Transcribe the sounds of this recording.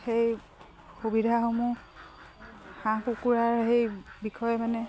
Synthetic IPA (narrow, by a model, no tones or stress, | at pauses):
xej | xubidʱaxomu | hãkukuɹaɹɦejbikʰɔjɛmanɛ